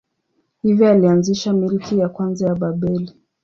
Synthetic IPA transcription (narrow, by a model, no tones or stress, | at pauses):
hivjɔalianziʃamilikijakwanzajaɓaɓɛli